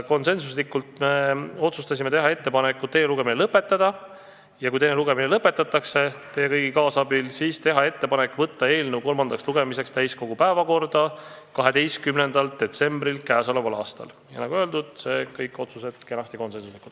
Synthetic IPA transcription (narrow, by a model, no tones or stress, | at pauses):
ko̞nse̞nsuslikːult̪me̞o̞t̪sust̪ɑs̬ime̞t̪e̞ɦɑe̞t̪ːe̞pɑnekːˑut̪e̞ːluɡ̥e̞minelɤpːˑe̞t̪ˑːɑd̪̥ɑ | jɑkujt̪e̞jneluɡe̞minelɤpːˑe̞t̪ːˑɑt̪ːˑɑkse̞t̪e̞jːekɤjɡikɑːsɑbilsiːst̪e̞ɦɑe̞t̪ːe̞pɑne̞kːˑvɤt̪ːɑe̞ːlnevuko̞lmɑnd̪ɑksluɡ̥e̞mise̞kst̪æjsko̞ɡ̥upæevɑko̞rd̪̥ɑ | kɑɦe̞d̪e̞jst̪kymne̞nd̪̥ɑld̪̥e̞t̪se̞mbrilkæːso̞levɑlɑ̰ːst̪ɑ̰l | jɑnɑɡuø̞eld̪ud̪̥se̞kɤjkːˑo̞t̪suse̞t̪̚ke̞nɑst̪iko̞nse̞nsuslikut̪ː